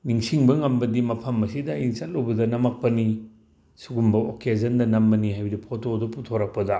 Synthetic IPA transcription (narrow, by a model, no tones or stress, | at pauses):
niŋsiŋbɐŋɐmbɐdimɐpʰɐmːɐsidɐiŋt͡ʃɐt̚lobɐdɐnɐmɐk̚pɐni | suɡumbɐo̰kezɐndɐnɐmbɐnihajbɐdipʰotodoputʰoɾɐk̚pɐdɐ